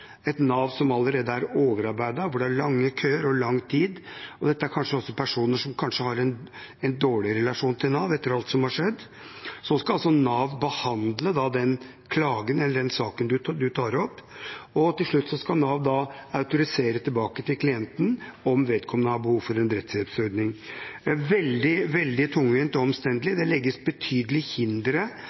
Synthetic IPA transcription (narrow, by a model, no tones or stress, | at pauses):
ɛt̪nɑːʋsɔmɑlːəɾeːd̪əæɾoːʋəɾɑɾbæɪd̪ɑʋʊɖɛæɭɑŋːəkʰøːəɾɔlɑŋːt̪ʰiːd̪ɔd̪ɛt̪ːəæɾkʰɑnʂəɔsːɔpʰæʂuːnəʂɔmkʰɑnʂəhɑɾɛn | ɛnd̪oːɭɪɾɛlɑʂuːnt̪ʰɪlnɑːʋɛt̪ːəɾɑlt̪sɔmhɑʂɛd̪ː | sɔskɑɑlsɔnɑːʋbəhɑnd̪ləd̪ɑd̪ɛn | kʰlɑːɡənɛlːəɖɛnsɑːkənd̪ʉd̪ʉt̪ʰɑːɾɔpːɔt̪ɪlʂɭʉt̪ːsɔskɑnɑːʋd̪ɑɑʉt̪ʊɾɪseːɾət̪ʰɪlbɑːkət̪ʰɪlkʰlɪɛnt̪n̩ɔmʋeːd̪kʰɔmːənəɑbəhuːʋfɔɾɛnd̪ɾɛt̪sɪɛt̪sœɾd̪nɪŋ | ʋɛld̪ɪʋɛld̪ɪt̪ʰʊŋːʋɪːnt̪ɔɔmst̪ɛnd̪əlɪd̪ɛlɛɡːəsbət̪ʰyːd̪əlɪhɪnd̪ɾə